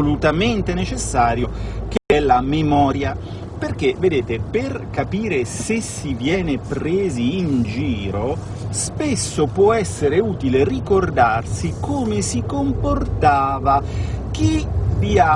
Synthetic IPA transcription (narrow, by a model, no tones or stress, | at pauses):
olut̪ament̪enet͡ʃesːaːɾjok̟ɛlːamemɔːɾja | perk̟eved̪eːt̪eperkapiːɾesesivjɛːnepɾeːziːnd͡ʒiːɾo | spesːopwɔɛsːeɾeuːt̪ilerikord̪arsikoːmesikomport̪aːvak̟ivia